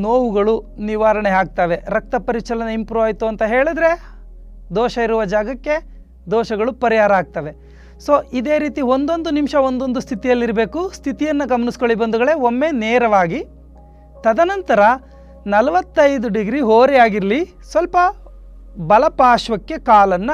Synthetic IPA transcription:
noːʋuɡɐɭuniʋaːɾɐɳeaːɡ̚t̪aːʋe̞ɾɐk̚t̪ɐpɐɾit͡ʃɐlɐnɐimpɾuːaːjt̪uɐnt̪ɐɦe̞ːɭid̪ɾe̞ | d̪ɔːʃɐiɾuʋɐd͡ʒaːɡɐkːe̞ | d̪ɔːʃɐɡɐɭupɐɾijaːɾɐaːɡ̚t̪ɐʋe̞ | soːʔid̪e̞ːɾiːt̪iond̪o̞nd̪unimʃɐo̞nd̪o̞nd̪ust̪ʰit̪ijɐlːiɾɐbe̞ːkust̪ʰit̪ijɐnːɐɡɐmɐnisko̞ɭːibɐnd̪uɣɐɭe̞omːe̞neːɾɐʋaːɡi | t̪ɐd̪ɐnɐnt̪ɐɾɐ | nɐlɐʋɐt̪ːɐjd̪uɖiɡɾiɦoːɾijaːɡiɾɐli | sʋɐlpɐ | bɐlɐpaːʃʋɐkːe̞kaːlɐnːɐ

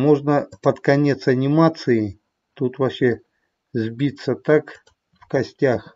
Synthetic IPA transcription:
mo̞ʐnəpət̪kɐnʲe̞t̪sɐnʲɪmat̪sɨɪ | t̪ut̪vɐɕːe | zʲbʲit̪sət̪ak | fkɐsʲtʲax

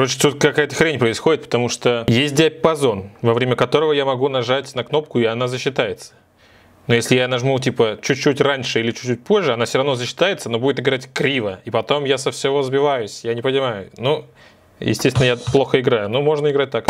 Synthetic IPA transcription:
ɾot͡ɕɪ̥t̪ut̪̚kɐkajət̪ə̥xɾʲenʲpɾəɪsxo̞dʲɪt̪pə̥t̪ɐmuʂt̪ojesʲt̚ʲdʲɪɐpɐzo̞nvɐvɾʲemʲəkɐt̪o̞ɾəvəjamɐɡunɐʐatʲnɐkno̞p̚kʊɪɐnazəɕːɪt̪ajɪt̪sə̥ | nojesʲlʲɪjanɐʐmutʲipət͡ɕʉt͡ɕːutʲranʲʂɨilʲɪt͡ɕʉ̥ːut̚ʲpo̞ʐːɨɐnafsʲvɾɐvno̞zəɕːɪ̥t̪ajɪt̪səno̞budʲɪt̪ɪɡɾatʲkɾʲivəipɐt̪o̞mjasəfsʲɪvozbʲɪvajʊsʲjanʲɪpənʲɪmajʊnu | jɪ̰sʲtʲest̪ʲɪnːjaplˠo̞xəɪɡɾajʊnumo̞ʐnəɪɡɾat̚ʲt̪ak

